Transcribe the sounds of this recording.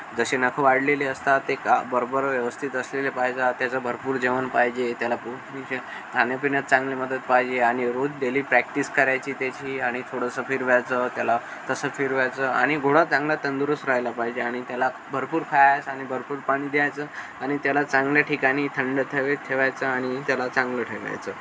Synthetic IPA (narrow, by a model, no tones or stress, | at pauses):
d͡zəɕenəkʰəʋaɽleliəst̪at̪ekabəɾobəɾʋjeʋəst̪ʰit̪əslelepajd͡zat̪jat͡səbʱəɾpuːɾd͡ʑeʋənpaɦid͡ʑet̪jalapunie | k̪ʰanjəpiɳjat̪̚t͡sãŋɡleməd̪ʱət̪̚paɦid͡ʑeaɽ̃iɾod͡zd̪eliːpɾæk̚ʈiskəɾajt͡ɕiːt̪jat͡ɕiːaɽ̃it̪ʰoɽəsəfʰiɾʋajt͡sət̪jala | t̪əsəfʰiɾʋajt͡səːa̰ɽ̃iɡʱoɽat͡sãŋɡlat̪ənd̪uɾəsɾajlapaɦid͡ʑeaɽ̃it̪jala | bʱəɾpuːɾkʰajat͡saɽ̃ibʱəɾpuːɾpaɽ̃iːd̪jajt͡səː | aɽ̃it̪jalat͡sãŋɡljaʈʰikaɽ̃iːt̪ʰəɳɖət̪ʰeʋet̪ʰeʋajt͡səaɽ̃it̪jalat͡sãŋɡləʈʰeʋa̰jt͡səː